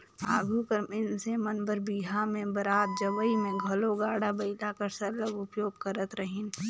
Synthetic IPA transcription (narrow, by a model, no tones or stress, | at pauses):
a̰ːɡʱukəɾmɪnsemənbəɾbiːɦamẽbɐɾaːt̪̚d͡ʒɐbəimẽɡʱɐloɡaːɽabɐɪt̪akɐɾsɐləbʊpjoːɡkəɾət̪ɾəɦɪn